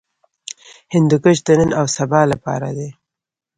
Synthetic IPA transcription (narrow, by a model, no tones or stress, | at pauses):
hɪnd̪ukəʃd̪ənənawsabɑlapɑ̰ɾad̪e